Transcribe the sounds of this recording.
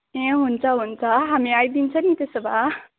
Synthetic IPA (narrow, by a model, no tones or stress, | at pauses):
ẽɦunt͡sʰʌɦunt͡sʰʌɦamiajd̪int͡sʰʌnit̪esʌba